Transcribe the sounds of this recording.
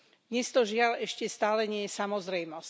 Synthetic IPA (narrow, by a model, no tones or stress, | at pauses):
ɲɛst̪ɔʒɪalɛʃcɛst̪aːlɛɲɪɛjɛsamɔzɾɛjmɔsc